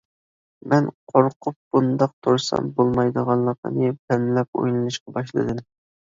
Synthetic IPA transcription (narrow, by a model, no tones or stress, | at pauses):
mɛnqʰoɾqʰʊp̚b̥und̪ɑq̚t̪ʰuɾsɑ̰mbolˠmɑjd̪əʁɑnlːˠəqə̰nɨpʰɛmlɛpo̰jlˠɨnˠɨʃqɑbɑʃ̬lˠɨ̰d̪ɨm